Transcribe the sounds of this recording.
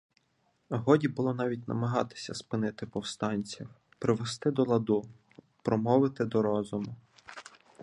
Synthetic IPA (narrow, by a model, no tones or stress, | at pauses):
ɦɔdʲibʊlˠɔnɑʋʲitʲnɐ̰mɐɦɑt̪ɪ̥sʲɐspɪnɪt̪ɪpɔwst̪ɑnʲt͡sʲiw | pɾɪʋest̪ɪd̪ɔlˠɐd̪u | pɾɔmɔʋɪt̪ɪd̪ɔɾɔzʊmʊ